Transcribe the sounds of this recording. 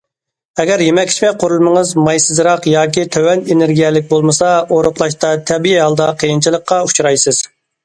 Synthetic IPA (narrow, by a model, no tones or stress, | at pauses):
ɛɡʲɛɾjemɛkʲt͡ʃʲmɛqʰʊɾulˠməŋəzmɑjsɨzɾɑqjɑːkʲit̪ʰøwɛnenɪɾɡʲijɛlɪk̚ʲbolˠmɨsɑoɾʊqlˠɑʃt̪ɑt̪ʰɛbijɛɦɑlˠd̪ɑqʰəjint͡ʃʰilˠəqːɑut͡ʃʰɾɑjsɨz̥